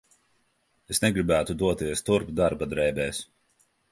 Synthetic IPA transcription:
esnɛɡɾibæːt̪ud̪uɔt̪iɛst̪uɾpd̪aɾbad̪ɾɛːbɛːs

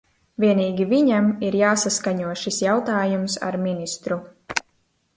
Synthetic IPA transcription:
vʲiɛniːɡʲiviɲamiɾjaːsaskaɲuɔʃisjawt̪aːjumsa̰ɾminist̪ɾu

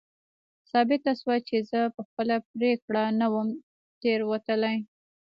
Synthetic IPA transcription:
sɑbɪt̪aswat͡ʃezəpəxpəlap̚ɾekɽanawəm | t̪eɾwat̪əlaj

